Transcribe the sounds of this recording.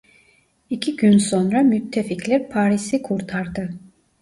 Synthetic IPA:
icʰiɟynsonɾamyt̪ʰːeficlʲæɾpʰaːɾisikʰuɾt̪ʰaɾd̪ɯ

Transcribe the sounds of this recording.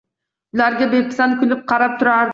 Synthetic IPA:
laɾɡʲabepʰɪ̥sankʰʲʊlɪp̚qʰɑɾap̚t̪ʰʊɾaɾ

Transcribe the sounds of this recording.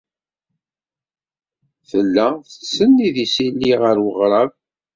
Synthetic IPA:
θəlːæθə̥sːənːiðisilːiʁəɾwəʁɾˤɑv

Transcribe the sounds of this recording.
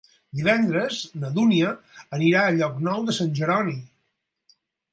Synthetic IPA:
d̪iβ̞ɛnd̪ɾəznəðuniəːniɾaəʎɔknɔwðəsanʲʒəɾɔni

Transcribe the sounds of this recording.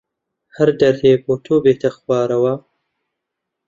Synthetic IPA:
hɐɾd̪ɐɾeːboːt̪ʰoːbeːt̪ʰɐxwɑːɾɐwɐ

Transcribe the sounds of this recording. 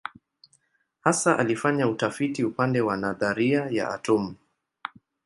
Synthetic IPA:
hasaʔalifaɲautafitiupandɛwanaðaɾiaja̰ʔa̰tɔmu

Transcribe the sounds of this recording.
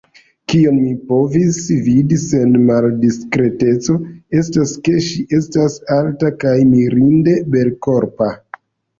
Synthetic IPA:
kionmipo̞visvidise̞nmaldiskɾe̞te̞t͡so̞e̞staske̞ʃiʔe̞stasaltakajmiɾinde̞be̞lko̞ɾpa

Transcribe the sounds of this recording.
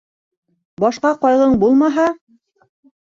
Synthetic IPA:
bɑʃqɑqɑjʁɤɴbulˠmɑɦɑ

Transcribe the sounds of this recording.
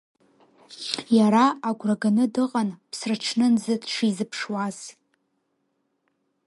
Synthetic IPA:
jaɾaaɡʷraɡanɨdɨqʼanpʰsrɨʈ͡ʂʰnɨnzɨdʂizɨpʰʂwaz̥

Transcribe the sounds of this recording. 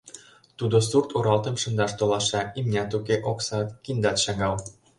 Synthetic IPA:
t̪ud̪osurt̪uɾɑlt̪ə̆mʃɤ̆nd̪ɑʃt̪olɑʃɑimnʲɑt̪ukeʔoksɑt̪kind̪ɑt̪ʃɑŋɑl

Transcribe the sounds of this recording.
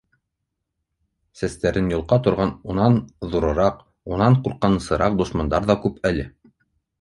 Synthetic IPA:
sæst̪æɾɘnjulˠqɑt̪ŏɾʁɑnunɑnðuɾɤ̆ɾɑq | unɑɴquɾqːɑnɤ̆sɤ̆ɾɑq̚d̪ŏʃmɑnd̪ɑɾðɑkʉpælɘ

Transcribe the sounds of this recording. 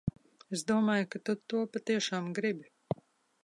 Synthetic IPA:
ezd̪uɔmaːjkat̪ut̪ːuɔpat̪iɛʃaːmɡɾibʲi

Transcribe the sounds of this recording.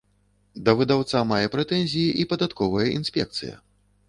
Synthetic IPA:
d̪ɐvɨd̪awt̪samajɛpɾɛt̪ɛnʲzʲijiʔipɐd̪at̪kɔvɐjɐʔinsʲpʲɛ̰k̚t̪sɨ̰jɐ̰

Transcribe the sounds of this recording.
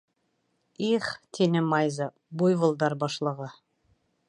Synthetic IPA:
iχt̪ʰinɘmɑjzɑ | bujvɤ̆lˠd̪ɑɾbɑʃlˠɤ̆ʁɤ

